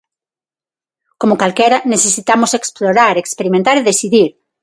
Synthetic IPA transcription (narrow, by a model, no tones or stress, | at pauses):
komokalkeɾanesesit̪amoseksploɾaɾekspeɾimẽnt̪aɾeðesiðiɾ